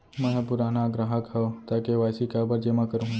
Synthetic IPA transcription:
mɛ̃ɦpʊɾaːnaɡɾaɦəkɦɛot̪aːkeʋaːjsikɐbəɾd͡ʒeːmakəɾũ

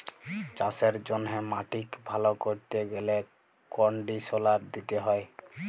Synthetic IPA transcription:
t͡ʃaseɾd͡ʑonɦemaʈikbʱalokoɾt̪eɡele | kɔɳɖisolaɾd̪it̪eɦɔe

